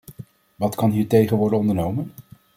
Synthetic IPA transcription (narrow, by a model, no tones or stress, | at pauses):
ʋɑtkɑnɦiːɹtejχənʋɔɹdəɔndəɹnowmən